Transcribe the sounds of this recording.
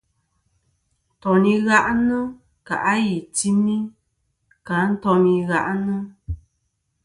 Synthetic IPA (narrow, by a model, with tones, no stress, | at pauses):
n˨tɔ˨ni˧ɣa˦ʔnɨ˦ | ka̰˨ʔa˦ji˨ti˦mi˦ | ka˨˦n̩˦tɔ˧ni˧ɣa˦ʔnɨ˦